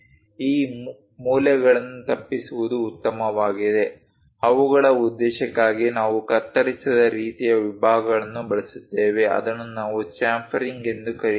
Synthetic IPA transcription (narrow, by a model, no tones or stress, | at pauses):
iː | muːljɐɡɐɭɐnːut̪ɐpːisuʋud̪uːt̪ːɐmɐʋaːɡid̪e̞ | ɐʋuɡɐɭɐud̪ːɛːʃɐkːaːɡinaːʋukɐt̪ːɐɽisɐd̪ɐɾiːt̪ijɐʋibʱaːɡɐɡɐɭɐnːubɐɭɐsu̥t̪ːeːʋe̞ʔɐ̰d̪ɐnːunaːʋut͡ʃaːmpʰɐɾiŋɡe̞nd̪ukɐɾi